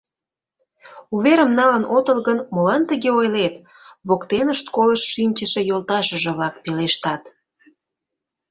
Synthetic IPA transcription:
uβeɾəmnɑlənot̪əlɣənmolɑnt̪əɣeojlet̪ | βokt̪enəʃt̪koləʃʃinʲt͡ɕəʃe̽jolt̪ɑʃəʒə̆βlɑk̚peleʃt̪ɑt̪

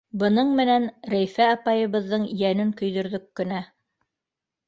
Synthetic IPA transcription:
bɤ̆nɤɴmɘ̆nænɾæjfæɑpɑjɤ̆βɤ̆ðːɤɴjænɘŋkɵ̆jðɵ̆ɾðɵkːɵ̆næ

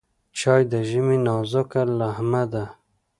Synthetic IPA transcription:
t͡ʃɑːjd̪əʒiminɑzokalahmad̪a

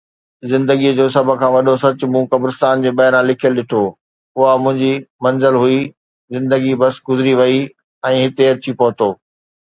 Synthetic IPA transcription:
zɪ̃nd̪əɡiəd͡ʑoːsɐbʱʊ̆kʰãːʋɐɗosɐt͡ɕʊ̆mũkɐbɾɪst̪aːnd͡ʑeːɓɐɦɪɾãlɪkʰijəlɗɪʈʰoː | ʊɦamʊ̃ɦɪ̃ɲd͡ʑimɐ̃nzəlɦʊi | zɪ̃nd̪əɡibɐsɡʊzɪɾiʋɐi | ɛ̃ːɦɪt̪eɐt͡ɕipɐɦʊ̃t̪oː

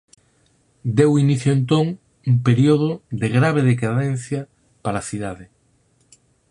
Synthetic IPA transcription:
d̪ewiniθjoent̪oŋ | umpeɾioð̞od̪eɣɾaβ̞eðekaðẽn̟θjɐ | paɾaθiðaðɪ

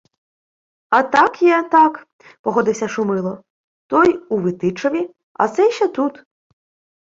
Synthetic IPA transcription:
ɐt̪ɑkjɛt̪ɑk | pɔɦɔd̪ɪwsʲɐʃʊmɪlˠɔ | t̪ɔjuʋɪt̪ɪt͡ʃɔʋʲi | ɐ̰t̪sɛʃɛt̪ut̪

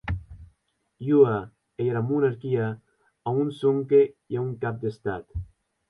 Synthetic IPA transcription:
jua | ejɾamunaɾkia | aunsoŋkejauŋkap̚d̪est̪at̪

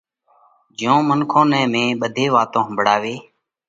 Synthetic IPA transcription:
d͡ʒjõːmənkʰõːnɛ̃ːmẽːɓəd̪ʱeːʋaːt̪õːɦəmbʱɽaːʋeː

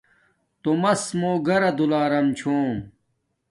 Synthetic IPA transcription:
t̪omɐsmoːɡɐɾɐd̪ulaːɾɐmt͡ɕʰoːm

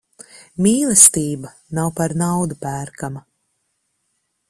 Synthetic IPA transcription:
miːlˠɛst̪iːba | nawpaɾnawd̪upæːɾkama

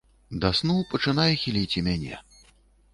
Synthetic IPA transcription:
d̪asnuwpɐt͡ʂɨnajɛxʲilʲit͡sʲimʲanʲɛ̰

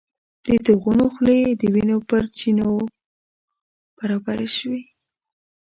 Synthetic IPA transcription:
d̪̥ət̪əɣunoxled̪əwinopəɾt͡ʃino | b̥aɾabaɾeʃwi

